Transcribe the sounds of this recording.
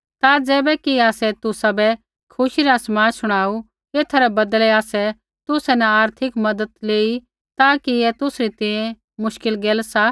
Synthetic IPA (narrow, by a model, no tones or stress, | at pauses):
t̪ad͡zɛːbɛkiaːsɛt̪ʊsabɛ | kʰʊʃiɾasmaːsʊɽ̃aːu | eːt̪ʰaɾɛbɐd̪lɛaːsɛ | t̪ʊsɛnɛaːɾt̪ʰɪkmɐd̪ət̪leːi | t̪aːkiet̪ʊsɾit̪ɛ̃jẽ | mʊʃkɪlɡeːlsa